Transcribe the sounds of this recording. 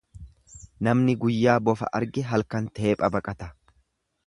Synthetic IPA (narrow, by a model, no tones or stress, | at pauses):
nɐmnɪɡʊjːaːbɔfɐ̰ʔɐ̰ɾɡɪɦɐlkɐnt̪eeːpʼɐbɐkʼɐt̪ɐ̥